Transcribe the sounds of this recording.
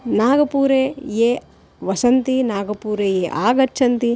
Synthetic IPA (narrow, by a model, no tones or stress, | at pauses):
naːɡɐpuːɾeːjeː | ʋɐsɐnt̪inaːɡɐpuːɾejeːʔa̰ːɡɐt͡ʃʰɐnt̪i